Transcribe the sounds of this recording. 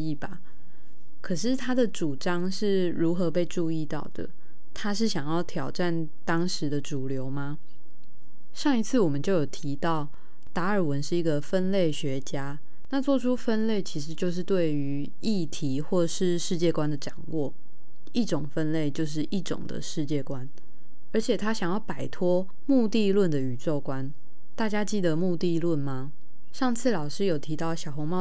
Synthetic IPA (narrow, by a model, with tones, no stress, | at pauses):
i˥˩ba˩ | kʰɤ˨˩ʂ̬ɻ̩˥˩t̪ʰa˥d̪ə˨ʈ͡ʂu˨˩ʈ͡ʂɑ˥ŋʂɻ̩˥˩ | ɻu˧˥xɤ˧˥pe˥˧ɪʈ͡ʂu˥˧i˥˧t̪ɑ˥˩ʊd̪̥ə̰˩ | t̪ʰa˥ʂ̬ɻ̩˥˩ɕjɑ˨˩ŋjɑ˥˩ʊt̪ʰjɑ˨˩ʊʈ͡ʂa˥˩n | t̪ɑ˥ŋʂɻ̩˧˦d̪ə˧ʈ͡ʂu˨˩ljo˧˥ʊma˦ | ʂɑ˥˩ŋi˧˥t͡sʰɹ̩˥˩wɔ˨˩mə˦nt͡ɕjo˥˩ʊjo˨˩ʊt̪ʰi˧˥t̪ɑ˥˩ʊ | t̪a˧˥ə˞˨˩wə˧˦nʂɻ̩˥˩i˧˥ɡə˨fə˦˥nle˥˩ɪɕɥɛ˧˥t͡ɕja˥ | na˥˧t͡swɔ˥˩ʈ͡ʂʰu˥fə˥nle˥˩ɪt͡ɕʰi˧˥ʂ̬ɻ̩˧˥t͡ɕjo˥˧ʊʂ̬̩˥˧t̪we˥˩ɪy˧˦ | i˥˩t̪ʰi˨˥˦xwɔ˥˧ʂɻ̩˥˧ʂɻ̩˥˧t͡ɕjɛ˥˧kwa˦nd̪ə˨ʈ͡ʂɑ˨˩ŋwʔɔ˥˩ | i˥˩ʈ͡ʂʊ˨˩ŋfə˦˥nle˥˧ɪt͡ɕjo˥˧ʊʂ̬ɻ̩˥˧ʔi˥˩ʈ͡ʂʊ̰˨˩ŋd̪ə̰˩ʂɻ̩˥˧t͡ɕjɛ˥˩kwa˦n | ə˞˧˥t͡ɕʰjɛ˨˩t̪ʰa˥ɕjɑ˨˩ŋjɑ˥˩ʊpa˨˩ɪt̪ʰwɔ˥ | mu˥˧t̪i˥˧lwə˥˩nd̪ə˩y˨˩t͡swɔ˥˩kwa˦n | t̪a˥˩t͡ɕja˥t͡ɕi˥˩d̪ə˩mu˥˧t̪i˥˧lwə˥˩nma˩ | ʂɑ˥˧ŋt͡sʰɹ̩˥˩lɑ˨˩ʊʂɻ̩˥jo˨˩ʊt̪ʰi˧˥t̪ɑ˥˩ʊɕjɑ˨˩ʊxo˧˥ŋmɑ˥˧